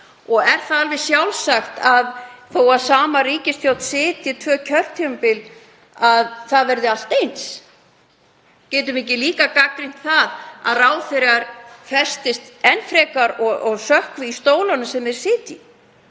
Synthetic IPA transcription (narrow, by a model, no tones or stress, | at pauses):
ɔɣɛɾ̥θaðalvɪ̥sjawlsaxt̪aðθowaðsaːmariːcɪsθjow̪̥t̪sɪːt̪jɪt̪ʰvœːcʰœr̥t̪ʰːiʏmpɪl | aðθaðvɛɾðɪal̥t̪ejns | cɛːt̪̬ʏmɪhc̬ɪliːkakakɾin̥t̪θaða̰ðraːwθeɾɣaɾfɛst̪ɪst̪ɛnfɾɛːkaɾɔɣɔɣsœhkvɪist̪oːwlanasɛmɛɾ̥sɪːt̪i